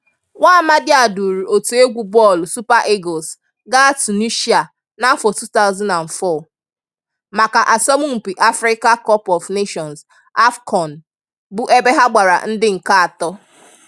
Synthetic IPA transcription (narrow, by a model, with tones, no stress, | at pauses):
wʷa˦ma˦dɪ˦a˨du˨ɾu˨o˨tu˨e˦ɡʷu˦bɔ˦˨lsu˦pa˦ʔe˦ɡɔ˨s | ɡa˦a˦tu˨ni˦ʃi˦a˨ | na˦fɔ˨tu˦ta˦ʊ˦zã˦na˨n̩˨fɔ˦˨ | ma˨ka˨ʔa˨sɔ˦mʊ˦ŋ͡m̩˨pi˨ʔa˦fɾɪ˦ka˦kɔ˦pɔ˨vne˦ʃɔ˨ns | a˦fkʰɔ˨n˨ | bʊ˦ʔe˦be˦ɦa˦ɡ͡ba˨ɾa̰˨n̩˦dɪ˦ŋ̩˨ka˦a˨tɔ˦